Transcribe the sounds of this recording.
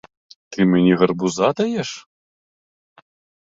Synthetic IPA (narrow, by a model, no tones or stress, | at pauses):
t̪ɨmʲɛnʲiɣɐrbuzad̪ɐjɛʂ